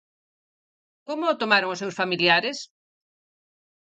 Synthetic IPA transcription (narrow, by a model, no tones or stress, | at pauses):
komʊːt̪omaɾoŋʊsewsfamiljaɾɪs